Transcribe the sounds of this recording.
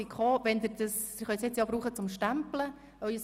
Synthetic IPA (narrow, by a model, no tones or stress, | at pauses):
ikχoːʋɛnd̪ɪɾd̥̪əsɪrχœʏsjɪt͡sjɑbɾuːχət͡sʊmʃtæmplə | œʏəs